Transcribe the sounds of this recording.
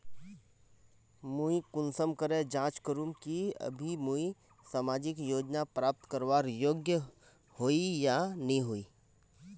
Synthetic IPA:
muikʊnsəmkəɾed͡ʒãːt͡ʃkəɾumkiə̰bʱimui | saːmaːd͡ʒɪkjoːd͡ʒnapɾaːp̚t̪kəɾʋaːɾjoːɡjə | hoːijanɐɦĩɦoːiː

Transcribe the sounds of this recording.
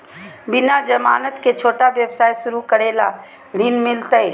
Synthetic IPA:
bɪnad͡ʒɐma̰ːnət̪ket͡ʃʰoːʈaʋjəbsaːjsʊɾukəɾeːla̰ | ɽiːnmɪlt̪əj

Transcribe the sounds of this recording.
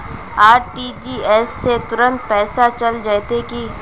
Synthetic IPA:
aːɾʈiːd͡ʒiːɛːsːet̪ʊɾə̃nt̪̚pɛːsat͡ʃɐld͡ʒaet̪eki

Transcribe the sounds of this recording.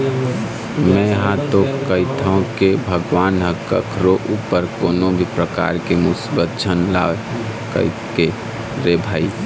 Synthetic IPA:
mɛ̃jəɦãt̪okəɦit̪ʰaũkebʱəɡwaːnɦəkə̰kʰɾoʔupːəɾkoːnobʱipɾəka̰ɾkemʊsibət̪̚d͡ʒʱənla̰ːʋe | kə̰i | ke | ɾebʱaːi

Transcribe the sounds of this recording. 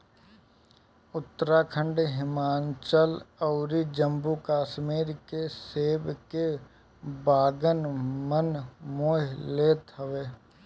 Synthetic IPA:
ʊt̪ːəɾakʰə̃ɳɖeɦɪmaːnt͡ʃəlɐʊɾid͡ʒəmbukaːʃmiːɾkeseːbke | baːɡənmənmoːɦleːt̪ɦəʋeː

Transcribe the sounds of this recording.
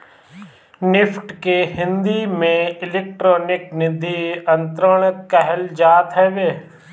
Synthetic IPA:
nɪfʰʈkeɦɪ̃nd̪imẽɪleːk̚ʈɾɔːnɪknɪd̪ʱiə̃nt̪ɾəɽ̃ət̪̚kɛɦɛld͡ʒaːt̪ɦɛʋeː

